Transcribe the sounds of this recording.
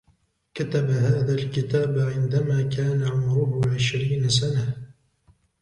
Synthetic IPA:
kat̪abahaːðalkɪt̪aːbʕɪnd̪amaːkaːnaʕʊmɾʊhʊʕɪʃɾiːnasana

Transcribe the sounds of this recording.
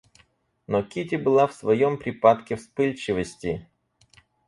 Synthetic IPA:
nokʲitʲɪbɨlˠafsvɐjompɾʲɪpat̪kʲɪfspɨlʲt͡ɕɪvəsʲtʲɪ

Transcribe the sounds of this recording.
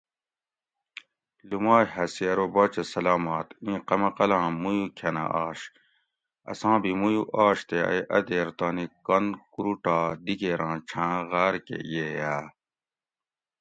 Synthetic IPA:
lumaːjɦɐsiɐɾobɔːt͡ɕesɐlaːmaːt̪ĩːqɐmɐqɐlãːmujukʰɐna̰ʔaːɕ | ɐ̰sãːbimujuʔaːɕt̪eɐ̰jʔɐd̪eːɾt̪aːnikɐnkuɾuʈaːd̪ikeːɾãːt͡ʃʰãːɣaːɾkḛjeːjaː

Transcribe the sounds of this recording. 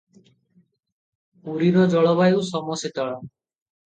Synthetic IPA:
uɾiɾɔd͡ʒɔɭɔbajwsɔmɔset̪ɔɭa

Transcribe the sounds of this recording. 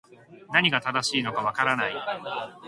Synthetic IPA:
naɲ̟iɡat̪ad̪aɕiːno̞kaβakaɾanai

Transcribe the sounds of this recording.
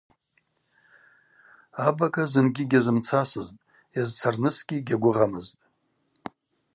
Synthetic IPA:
abakʰʼazɨnɡʲɪɡʲazɨmt͡sʰasɨztʼ | jazt͡sʰarnɨsɡʲiɡʲaɡʷʊʁamɨztʼ

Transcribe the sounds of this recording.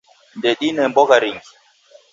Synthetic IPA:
ndɛɗinɛmbɔɡaɾiŋɡi̥

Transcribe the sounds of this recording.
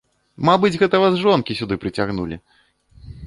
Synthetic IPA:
mabɨd͡zʲɣɛt̪ɐvazʐɔnkʲisʲud̪ɨpɾɨt͡sʲaɣnulʲḭ

